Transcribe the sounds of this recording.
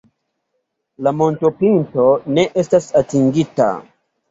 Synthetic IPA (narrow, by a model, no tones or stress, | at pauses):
lamo̞ntopinto̞ne̞ʔestasatiŋɡita̰